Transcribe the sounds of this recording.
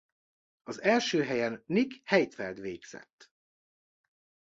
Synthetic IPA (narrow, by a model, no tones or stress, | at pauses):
ɒzɛlʃøːɦɛjɛnːikhɛjt̪fɛld̪ʋeːɡz̥ɛ̰t̪ː